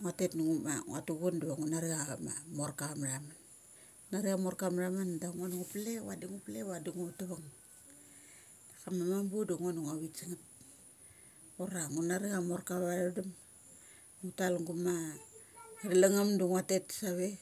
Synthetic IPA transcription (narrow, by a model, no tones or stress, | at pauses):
ŋatetnuŋumaŋ̰a̰tuɡunduβaŋunaɾiamamoɾkamɾaman | naɾiamoɾkamɾamandaŋonuŋuplewa̰diŋuplewadiŋutaβaŋ | dakamamambudaŋonuŋaβit͡ʃiŋat̚ | oɾaŋunaɾiɣamoɾkaβadam | ŋutalŋɡuma | ɾilaŋamduŋatetsaβe